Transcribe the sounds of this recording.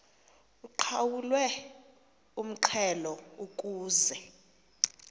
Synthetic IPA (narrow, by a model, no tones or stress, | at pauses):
uǃʰawulwɛ | um̩ǃʰɛlɔukʼuːzɛ